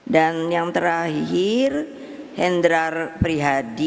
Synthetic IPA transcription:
danjaŋt̪əɾaɦhir | hɛndɾarpɾiɦadi

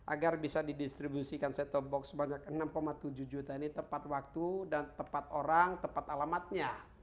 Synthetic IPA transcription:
ʔa̰ɡarbisadidist̪ɾibusikansɛt̪ɔbɔksəbaɲak̚ənamkomat̪ud͡ʒuhd͡ʒut̪ainit̪əmpat̪̚wak̚t̪udant̪əpat̪oɾaŋt̪əmpat̪alamat̪̚ɲa

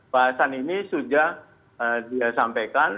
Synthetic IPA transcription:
b̥aɦasaninisud͡ʒah | ədiasampajkan

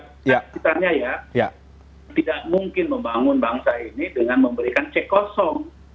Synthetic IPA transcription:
kit̪aɲajaja | t̪idaʔ̚muŋkɪnməmbaŋʊnbaŋsainidəŋanməmbəɾikant͡ʃɛkɔsɔŋ

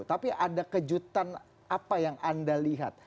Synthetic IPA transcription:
t̪apiʔadakəd͡ʒut̪an | apajaŋandaliɦa̰t̪̚

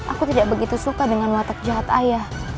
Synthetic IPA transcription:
ʔakut̪idaʔ̚bəɡit̪usukadəŋanwat̪ak̚d͡ʒaɦat̪ajah

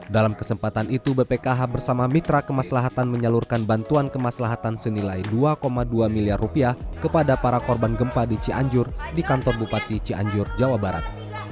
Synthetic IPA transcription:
dalamkəsəmpat̪anit̪ubepekaɦabərsamamit̪ɾakəmaslaɦat̪anməɲalurkanbant̪uankəmaslaɦat̪ansənilajduakomaduamiliarːupiahkəpadapaɾakɔrbanɡəmpadit͡ʃiaɲd͡ʒʊrdikant̪ɔrbupat̪it͡ʃiʔa̰ɲd͡ʒʊrd͡ʒawabaɾa̰t̪̚

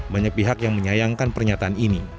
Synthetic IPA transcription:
baɲak̚piɦakjaŋməɲajaŋkanpərɲat̪aːnini

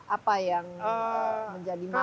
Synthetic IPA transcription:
ʔapajaŋ | məɲd͡ʒadima

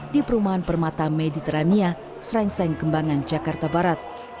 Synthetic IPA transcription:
dipəɾumaɦanpərmat̪amedit̪ɛɾania | sɾɛŋsaŋkəmbaŋand͡ʒakart̪abaɾat̪̚

